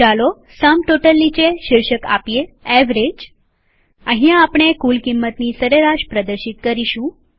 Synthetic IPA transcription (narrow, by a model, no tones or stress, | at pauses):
alo | samʈoʈəlːit͡ɕeʃɪɾʃəka̰pijeɛʋɾed͡ʒ | ə̃ɦĩãːpɳ̃ekulkimːət̪nisəɾeɾaʃpɾəd̪əɾʃit̪̚kəɾiɕũː